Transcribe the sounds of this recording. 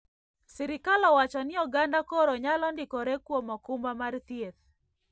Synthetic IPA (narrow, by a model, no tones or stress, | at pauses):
sɛɾɪkalɔwat͡ʃɔnɪɔɡandakɔɾɔɲalɔndɪkɔɾɛkwomɔkʊmbamart̪jet̪